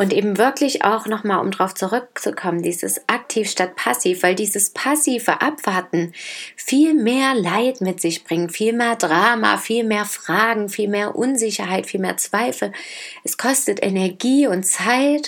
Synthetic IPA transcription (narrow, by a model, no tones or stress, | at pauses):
ʔʊntʔeːbm̩vɪɐklɪça̰ʊxnɔχmaːlʔʊ̰mndaʁaʊft͡suʁʏk̚t͡sukʰɔməndiːzəsʔak̚tʰiːfʃtat̚pʰasiːfv̥aɪldiːzəspʰasiːvə̰ʔapv̥aɐtn̩fiːlmeːɐlaɪtmɪtz̥ɪçb̥ʁɪŋənfiːlmeːɐdʁaːma̰fiːlmeːɐfʁ̥aːɡŋ̩fiːlmeːɐʔʊnzɪçɐɦaɪtfiːlmeːɐt͡sv̥aɪfl̩ʔɛskʰɔstətʔɛ̰nɛɐɡiːʊntt͡saɪt